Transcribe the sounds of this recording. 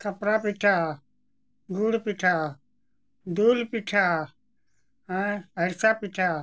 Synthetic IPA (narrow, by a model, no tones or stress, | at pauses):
kəpɾaːpiʈʰaː | ɡuːɽpiʈʰaː | d̪oːlpiʈʰaː | əɾsaːpiʈʰaː